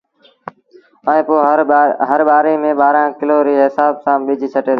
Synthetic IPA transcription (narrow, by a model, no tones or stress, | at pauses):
əẽːpoːɦəɾɓaːɾeːmẽːɓaːɾãːkɪloːɾiːɦɪsaːbsãːɓɪd͡ʒʱiːt͡ʃʰəʈeːd̪